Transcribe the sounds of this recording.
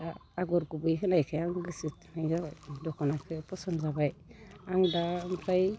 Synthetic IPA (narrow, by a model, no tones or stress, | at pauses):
aːɡɔɾkubujkɯnajkʰajaŋɡɯsit̪̚najɡadɔkɔnakʰɯpɔsɔnzabajaŋdampʰaj